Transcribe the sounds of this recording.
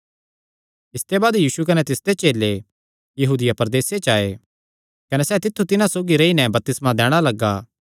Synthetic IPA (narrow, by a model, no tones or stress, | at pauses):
ɪst̪ebaːd̪jiːsukɐnɛt̪ɪsd̪et͡ʃeːlːe | jɐɦuːd̪ɪjapɐɾd̪eːset͡ʃaːe | kɐnɛsɛːt̪ɪt̪ʰːut̪ɪnãsoːɡiɾeinɛbɐp̚t̪ɪsmãd̪ɛːɽ̃alɐɡːaː